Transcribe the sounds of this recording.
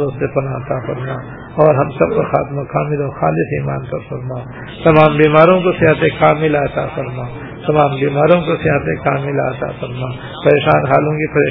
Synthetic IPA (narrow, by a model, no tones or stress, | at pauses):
ɾosepɐnaɐt̪afɐɾmaː | ɔːɾɦɐmsɐb̚kaxa̰ːt̪makaːmɪlɔːɾxaːlɪsiːmaːnt̪ɐɾfɐɾmaː | t̪ɐmaːmbiːmaːɾõkosɪɦɐt̪ẽkaːmilaɐt̪a̰fɐɾmaː | t̪ɐmaːmbiːmaːɾõkoseɦɐt̪ẽkaːmɪla̰ːɐt̪a̰ːfɐɾmaː | pɐɾeːʃaːnɦaːlõkipɐɾeː